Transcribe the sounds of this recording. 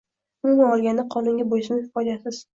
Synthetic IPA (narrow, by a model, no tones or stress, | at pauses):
mʊnaɒlˠɡʲand̪aqʰɒlˠɪŋɡʲabojsɪmɪhɪfɒd͡ʒasɪz̥